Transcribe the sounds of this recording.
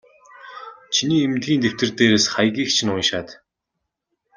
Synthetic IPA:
t͡ɕʰiniːemt̪ɡʲiːnt̪ew̥t̪ɘ̆rt̪eːɾeːsχajɣʲiːkt͡ɕʰɪ̆nʊnʃaːt̪

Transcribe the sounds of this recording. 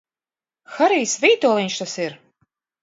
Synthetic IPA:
xaɾiːsviːt̪uːlˠinʲʃt̪asiɾ

